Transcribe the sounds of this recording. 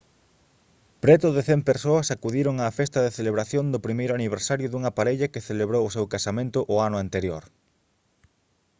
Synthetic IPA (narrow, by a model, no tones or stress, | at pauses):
pɾɛt̪ʊðeθɛmpeɾsoɐsakuðiɾʊŋaːfɛst̪ɐðeθeleβɾaθjond̪ʊpɾimejɾʊaniβ̞eɾsaɾjʊðuŋapaɾeʎɐkeθeleβɾowʊsewkasamẽnt̪ʊʔʊanʊant̪eɾjoɾ